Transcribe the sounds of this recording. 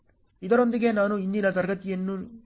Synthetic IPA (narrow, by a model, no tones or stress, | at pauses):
id̪ɐɾo̞nd̪iɡe̞naːnuind̪inɐt̪ɐɾɡɐt̪ijɐnːu